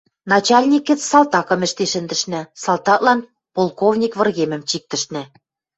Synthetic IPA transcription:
nɑt͡ɕɑlʲnʲikɘ̆t͡ssɑlt̪ɑkɤ̆mɘ̆ʃt̪eʃɘ̆nd̪ɘ̆ʃnɘ̆sɑlˠt̪ɑk̚lɑn | polˠkovnʲikβɤ̆rɣemɘ̆mt͡ɕik̚t̪ɘ̆ʃnɘ̆

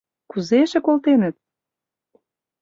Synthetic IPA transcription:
kuzeʃĕkolt̪enə̆t̪̚

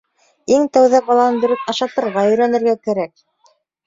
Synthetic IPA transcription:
iŋt̪æwðæbɑlˠɑnɤnd̪ɵ̆ɾɘpɑʃɑt̪ɤ̆ɾʁɑɵ̆jɾænɘ̆ɾɡækæɾæk̚

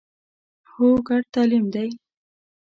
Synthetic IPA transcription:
hoɡaɽ̚t̪ɑlimd̪aj

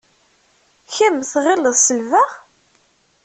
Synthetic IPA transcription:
çæmθʁɪlːəðˤsəlvæʁ

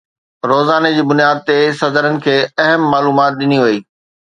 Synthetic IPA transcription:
ɾoːzaːned͡ʑiːbʊnijaːd̪̚t̪esɐd̪əɾənɪ̆kʰeːɐɦəmːaːluːmaːt̪̚ɗɪniʋɐiː

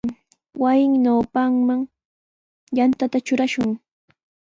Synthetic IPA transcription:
wajɪŋnawpaŋmaŋ | jant̪at̪at͡ʃʊɾaʃʊŋ

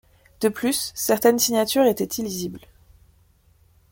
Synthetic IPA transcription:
d̪̥əplysːɛʁt̪ɛnsiɲat̪yʁet̪ɛt̪ʰilizibl

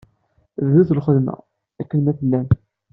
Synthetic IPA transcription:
ððuθəlχəðmæ̰ | ækːənːæθəlːæn

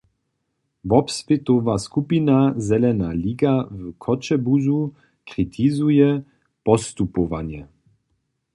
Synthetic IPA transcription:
vɔpsvɪt̪ɔvaskupinazɛlɛnaliːɡavkʰɔt͡ʃɛbuzu | kʁit̪ʰizujɛ | pɔst̪upɔva̰njɛ

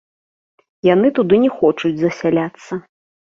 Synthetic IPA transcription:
janɨt̪ud̪ɨnʲɛxɔt͡ʂud͡zʲzɐsʲalʲat̪sːɐ

